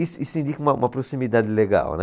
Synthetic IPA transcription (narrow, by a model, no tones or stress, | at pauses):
isisnind̪ikmamapɾosimid̪ad̪lɛɡa̰nɛ